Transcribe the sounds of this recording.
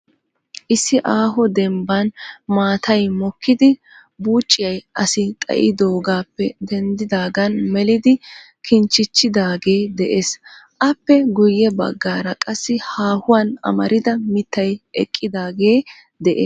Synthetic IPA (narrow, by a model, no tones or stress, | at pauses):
ʔɪsːɪʔaːɦɔd̪ɛmbɐnmaːt̪ʰɐjmɔkʰːɪd̪ɪ | buːt͡ʃʼːɪjɐjʔɐsɪt̪ʼɐ̰ʔɪ̰d̪o̞ːɡaːpːɛd̪ɛnd̪ɪd̪aːɡɐnmɛlɪd̪ɪ | kʰɪnt͡ʃːɪt͡ʃːɪd̪aːɡe̞ːd̪ɛʔeːsʔɐpːɛɡʊjːɛbɐ̰ɡːaːɾɐkʼɐsːɪhaːhʊwɐnɐ̰mɐɾɪd̪ɐmɪt̪ːɐjʔɛkʼːɪd̪aːɡe̞ː | d̪ɛʔeː